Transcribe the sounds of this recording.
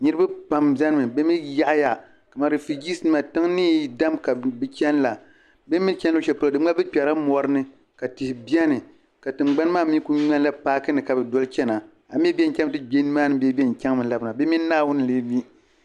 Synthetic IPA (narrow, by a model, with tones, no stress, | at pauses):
ɲɨ˦ɾɨ˦ba˦pa˨mza˦nɨ˦mɨ˨be˦mi˦ja˦ʔja˨ | ka˨ma˦ɾɨ˨fi˨ɡi˦sɨ˦nɨ˦ma˨tɨ˦ŋnɨː˦˨da˦mka˨bɨ˦t͡ʃɛ˦n˦la˨ | be˦mi˦n˦t͡ʃʲɛ˦a˦ʃɛ˨pɨ˦ldɨ˦m˦a˦bɨ˦pʲɛ˨ɾa˦mɔ˨ɾɨ˦nɨ˦ | ka˨tɨ˨hɪ˨bjɛ˦nɨ˨ | ka˨tɨ˨ŋ͡mɡ͡ba˦n˦maː˦˨mi˦ku˦ɲɛ˦n˦la˦paː˦kɨ˦nɨ˨ka˨bɨ˨dɔ˦lt͡ʃɛ˦na˨ | a˨m˦ɛ˦bi˦ɛ˦n˨kʲɛ˦m˦tɨ˦be˦n˦maː˦nɨ˦bɛ˦bɛ˦n˨kʲɛ˦ŋ˦mɨ˨nla˦bna˨be˦mi˦naː˦wʊ˦nɨ˨leː˦mi˦